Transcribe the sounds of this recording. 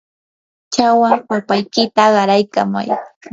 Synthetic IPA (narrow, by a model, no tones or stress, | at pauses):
t͡ʃawapapajkɪt̪aɢɑɾajkama̰j